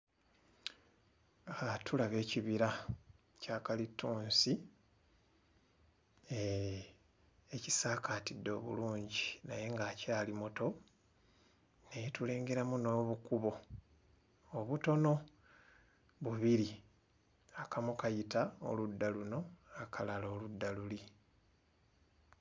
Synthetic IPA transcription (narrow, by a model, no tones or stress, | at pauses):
atʰulaβe̞ːciβiɾa | caːkalitːuːnsi | eci̥saːkaːtidːo̞ːβṵluːɲɟinaje̞ŋɡaːcaːlimo̞to̞ | nejetule̞ːŋɡeɾamuno̞ːβukuβo̞ | oβuto̞no̞ | βuβiɾi | akʰamukajitao̰ludːaluno̞akʰalalo̞ːludːaluli